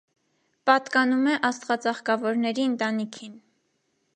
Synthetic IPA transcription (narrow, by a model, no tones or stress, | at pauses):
pɑt̪kɑnumɛʔɑst̪ʁɑt͡sɑχkɑvɔɾnɛɾiənt̪ɑnikʰin